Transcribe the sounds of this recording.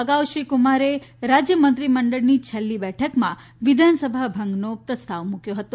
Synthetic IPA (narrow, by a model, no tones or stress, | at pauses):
əɡawʃɾikumaɾeɾad͡ʒjəmənt̪ɾiməɳɖəɭnit͡ʃʰəlːibɛʈʰəkmã | ʋid̪ʱansəbʱabʱəŋɡnopɾəst̪aʋmukjoɦət̪o